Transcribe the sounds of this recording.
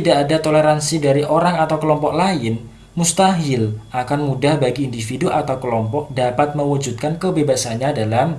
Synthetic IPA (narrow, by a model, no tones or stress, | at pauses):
t̪idaʔːdat̪oleɾansidaɾiʔoɾaŋat̪awkəlɔmpɔklaɪn | must̪aɦɪlʔakanmudahbaɡiːndifiduʔat̪awkəlɔmpɔk̚dapat̪̚məwəd͡ʒut̪̚kankəbebasanɲadalam